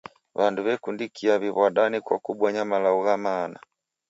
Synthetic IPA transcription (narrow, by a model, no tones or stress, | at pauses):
βanduβɛkundikʰiaβiβwaɗanikwa̰kuɓɔɲamalauɣamaːna̰